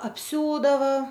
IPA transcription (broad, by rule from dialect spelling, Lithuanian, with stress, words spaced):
ɐpʲˈsʲuːdɐʋɐ